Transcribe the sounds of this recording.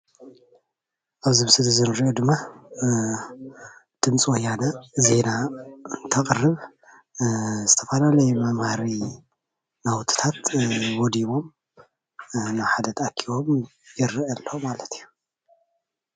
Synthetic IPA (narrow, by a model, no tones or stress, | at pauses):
ʔaβzɨmsɨd̪zɨnɾiʔod̪ɨmːa | d̪̥ɨmt͡sʼwɔjanaze̞naɨnt̪ʰɐkʼɨrːɨβ | zɨt̪ʰɐfɐlalɐjmamhaɾi | nawt̪ʰɨ̥t̪ʰat̪wɔd̪iβo̞m | nawħad̪ɐt̪akʰːiwo̞mjɪɾʔɐlːomalɐt̪ʰijːu